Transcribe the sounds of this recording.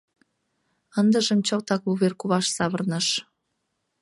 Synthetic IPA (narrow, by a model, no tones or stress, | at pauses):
ənd̪əʒəmt͡ɕokt̪ɑkluβerkuβɑʃsɑβərnəʃ